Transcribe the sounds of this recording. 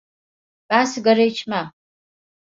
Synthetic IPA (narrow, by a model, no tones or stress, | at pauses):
b̥asiɡɐɾejt͡ʃʰma